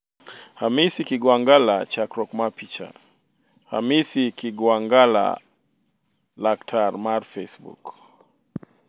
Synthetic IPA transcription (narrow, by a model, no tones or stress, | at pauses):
hamisikiɡwaŋɡalat͡ʃakɾɔkmapit͡ʃa̰ | ha̰misikiɡwaŋɡala̰ | laktʰaɾmaɾfɛsbṵk